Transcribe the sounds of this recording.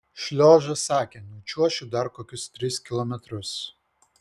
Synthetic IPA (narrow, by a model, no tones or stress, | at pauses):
ʃʲlʲoːʒɐsɑːkʲeːnɔʊt͡ʃʲuɔʃʲuːd̪ɐɾkoːkʲʊst̪ʲɾʲɪskʲɪlˠɔmʲɛt̪ɾʊs